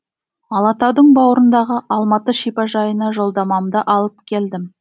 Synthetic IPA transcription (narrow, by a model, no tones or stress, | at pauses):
ɑlˠɑt̪ɑwd̪əɴbɑwəɾənd̪ɑʁəʔɑlˠmɑt̪əʃipɑʒɑjənɑʒo̞lˠd̪ɑmɑmd̪əʔɑlˠəp̚kʲʰe̞ld̪ɪm